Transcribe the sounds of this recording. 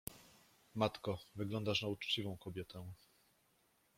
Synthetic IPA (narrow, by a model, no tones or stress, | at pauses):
mat̪kɔvɘɡlɔnd̪aʂnaut͡ʂt͡ɕivɔ̃w̃kɔbʲjɛt̪ɛ